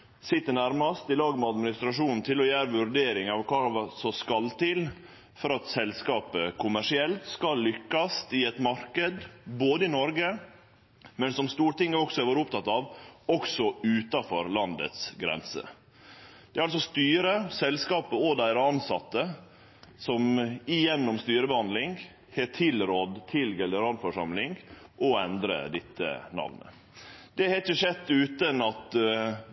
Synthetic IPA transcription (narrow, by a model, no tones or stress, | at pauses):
sɪt̪ːəɳæɾmɑst̪ɪlɑːɡəmɛɑd̪mɪnɪst̪ɾɑʂuːnn̩t̪ʰɪlɔjæːɾəʋʉɾɖeːɾɪŋɑʋkʰɑsɔskɑlt̪ʰɪl | fɔɾɑt̪sɛlskɑːpəkʰʊmæʂɪɛlt̪skɑlːʏkːɑst̪ɪɛt̪mɑɾkəd̪boːd̪əɪnɔɾɡə | mɛnsɔmst̪uːʈɪŋːəɔksɔæɾʋoːɾʊpt̪ɑt̪ɑːʋɔksɔʉːt̪ɑfɔ̰ɾlɑnd̪ə̰t̪sɡɾɛ̰nsə̰ | d̪̥ɛɾɑls̬ɔst̪yːɾəsɛlskɑːpəɔd̪æɪɾəɑnsɑt̪ːə | sɔmɪjɛnːɔmst̪yːɾəbəhɑnd̪lɪŋ | hɛʈʰɪlɾɔd̪t̪ʰɪlɡɛləɾɑnfɔʂɑ̰mlɪŋɡʔɔɛnd̪ɾə̰d̪ɪt̪ːə̰nɑ̰ʋnə̰ | d̪̥ɛhɛəʂɛt̪ːʉːt̪ənɑt̪